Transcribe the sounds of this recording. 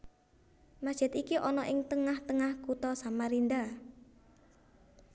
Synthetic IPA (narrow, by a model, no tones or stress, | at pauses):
mḁʒ̥ɪt̪ikiʔɔnɔʔɪŋt̪əŋaht̪əŋahkut̪ɔsamaɾind̪a